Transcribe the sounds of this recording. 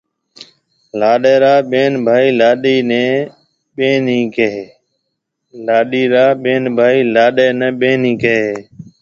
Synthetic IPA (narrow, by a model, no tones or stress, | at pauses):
laːɗeːɾaːɓeːnbʱaːiːlaːɗiːnẽː | ɓeːnĩːkeɦe | laːɗiːɾaːɓeːnbʱaːiːlaːɗeːnẽːɓeːnĩːkeɦeː